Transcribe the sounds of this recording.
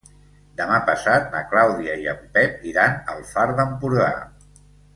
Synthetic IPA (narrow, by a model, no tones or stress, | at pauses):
d̪əmapəsat̪̚nəklawðiəiəmpɛp̚iɾanə̰lˠfaɾðəmpuɾða̰